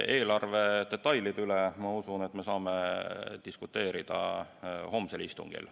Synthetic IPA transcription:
e̞ːlɑrve̞d̪̥e̞t̪ːˑɑjlid̪ylemɑusunet̪ːme̞sɑːmet̪iskut̪ːe̞ːɾid̪̥ɑ̰ho̞mselist̪ṵŋɡ̥ḭl

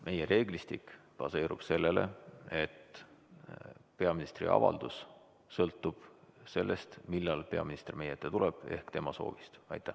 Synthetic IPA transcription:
mʔe̞jeɾe̞ːɡlist̪ikpɑse̞ːɾub̥se̞lːe̞le̞e̞t̪ | pe̞ɑminist̪rḭɑ̰vɑ̰ld̪us | sɤlt̪ːˑub̥se̞lːe̞st̪milːɑlpe̞ɑminist̪ermejet̪ːˑet̪uleb̥e̞̰hkt̪e̞mɑso̞̰ːvist̪ɑ̰jt̪ːˑæ

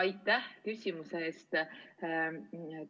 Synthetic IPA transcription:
ɑjt̪ːˑæhkysʲimuseeːst̪

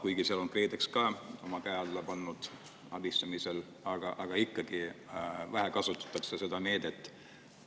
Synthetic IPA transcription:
kujɡ̥isiɑlo̞nkre̞ːd̪ekskɑːo̞mɑkæeɑlːɑpɑnːud̪̥ | ɑbist̪ɑmisel | ɑɡ̥ɑʔɑɡ̥ɑikːɑɡ̥ivæɦɛkɑsut̪ːˑɑ̥t̪ːˑɑksese̞d̪̥ɑneːd̪̥e̞t̪ːˑ

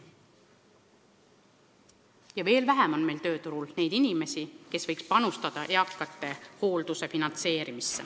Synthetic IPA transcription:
jɑve̞ːlvæɦɛmo̞nme̞jlt̪ø̞ːt̪uɾulne̞jd̪̥inʲime̞sike̞svɤjkspɑnust̪ɑd̪̥ɑʔeɑkːˑɑt̪ːˑe̞ho̞ːld̪̥use̞finɑnt̪se̞ːɾimisːe

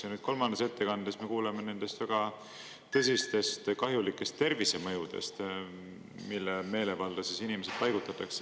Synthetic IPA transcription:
senyd̥̪̚ko̞lmɑnd̪ese̞t̪ːe̞kɑnd̪̥esme̞kuːlemene̞nd̪̥e̞st̪væɡ̥ɑ | t̪ɤsist̪e̞st̪kɑɦjulikːˑe̞st̪ːe̞rvise̞mɤjud̪̥e̞̰st̪ | milːeme̞ːle̞vɑld̥̪ɑsisinime̞sed̥̪̚pɑjɡ̥ut̪ːˑɑt̪ːˑɑkse

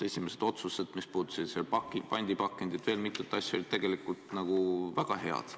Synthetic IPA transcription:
e̞sʲime̞se̞d̪̥o̞t̪sused̪mispuːd̪u̥sid̪̥selpɑkipɑnʲd̪ipɑkːˑend̪̥it̪ve̞ːlmit̪ːˑut̪ːˑɑsʲjo̞lʲit̪t̪eɡ̥e̞likˑult̪ˑnɑɡ̥uvæɡ̥ɑɦe̞ɑ̰d̪̥

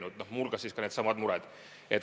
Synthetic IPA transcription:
nud̪̥nohmulkɑsiːskɑneːd̪sɑmɑd̪muɾɛd̪̥ | et̪

